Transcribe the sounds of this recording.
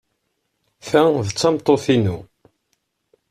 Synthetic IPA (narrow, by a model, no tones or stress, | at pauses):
fæðt͡sːɑmt̪ˤːoθinu